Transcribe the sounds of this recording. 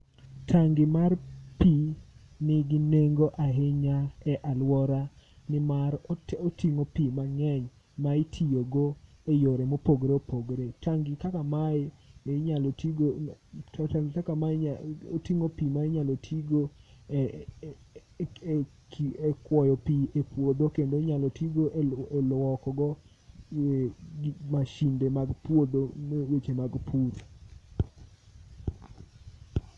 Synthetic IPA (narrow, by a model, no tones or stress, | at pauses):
tʰaŋɡɪmarpi | nɪɡɪneŋɡoʔaɦeɲaɛʔalwɔɾa | nɪmaɾotiŋopimaŋɛɲ | maɪtʰijoɡo | ejoɾemopoɡɾeopoɡɾetaŋɡɪkakamaɪ | nɲaltiɡo | aŋɡɪkakamaotiŋopimaɪɲalotʰiɡo | kekwɔjɔpiepwod̪okendoɲalɔtiɡoʔeelwɔkɔɡɔ | ɡmaʃindemaɡpwod̪omewet͡ʃemaɡpʰuɾ